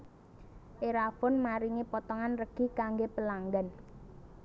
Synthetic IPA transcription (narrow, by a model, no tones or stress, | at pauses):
ʔeɾafɔnmaɾiŋipɔt̪ɔŋanrəɡ̥i̤kaŋɡepəlaŋɡan